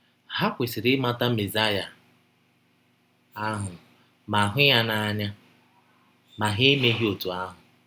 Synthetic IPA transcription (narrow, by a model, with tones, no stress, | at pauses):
ha˦kʷe˨sɪ˨ɾɪ˦ma˦ta˦me˨za˦ja˨ | a˦ɦʊ˨ | ma˨ɦʊ˦ja˦na˦a˦ɲa˦ | ma˨ɦe˦me˦ɦi˦o˨tu˨a˦ɦʊ˨